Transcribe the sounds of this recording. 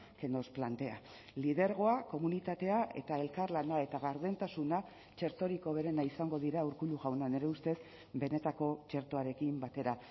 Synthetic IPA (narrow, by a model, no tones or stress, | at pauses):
ke̞no̞splant̪e̞a | lið̞e̞ɾɣ̞o̞ako̞munit̪at̪e̞aʔe̞̰t̪ae̞lkaɾlanae̞t̪aɣaɾð̞e̞nt̪asuna | t͡ʃe̞ɾt̪o̞ɾiko̞β̞e̞ɾe̞naisaŋɡo̞ð̞iɾauɾkuluɣawnane̞ɾe̞ust̪e̞s | be̞ne̞t̪ako̞t͡ʃe̞ɾt̪o̞aɾe̞kimbat̪e̞ɾa